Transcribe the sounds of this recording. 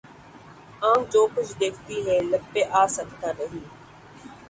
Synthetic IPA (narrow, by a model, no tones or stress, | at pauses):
ãːd͡ʒoːkʊd͡ʒʰd̪eːkʰt̪iːɦɛːləbːeːʔaːsəkt̪aːɾəɦiː